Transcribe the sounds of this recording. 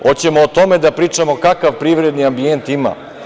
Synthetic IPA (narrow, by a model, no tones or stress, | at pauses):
ot͡ɕe̞moːt̪omed̪apɾiːt͡ʂamo̞kakaʋpɾiːʋɾed̪niambient̪ima̰